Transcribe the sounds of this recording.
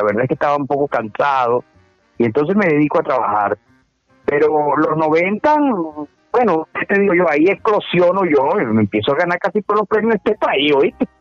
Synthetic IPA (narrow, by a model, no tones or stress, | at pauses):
laβeɾðaeskest̪aβaumpo̞ko̞kansaðo̞ | ient̪o̞ns̬e̞sme̞ðe̞ðikoat̪ɾaβaxa̰ɾ | pe̞ɾo̞lo̞zno̞βe̞nt̪aŋ | bwe̞nouk̪et̪e̞ðiɣoʝo̞aieksklo̞sjo̞noʝome̞mpje̞soaɣanaɾkasipolospɾemjosd̪epaioit̪e